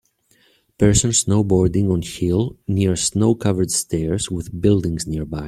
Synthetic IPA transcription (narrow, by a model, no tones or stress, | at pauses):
pɛɹsə̃nsnoʊbɔɹdɪ̃ŋɔ̃nhilˠniɹsnoʊkʰavəɹdstʰɛɹzwɪðbɪlˠdɪ̃ŋzniɹbaj